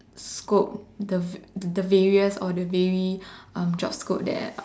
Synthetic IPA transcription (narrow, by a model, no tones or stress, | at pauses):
skop̚dədəvɛɹiəsɔdəvɛɹiãmd͡ʒɔ̰pskop̚dɛ̰t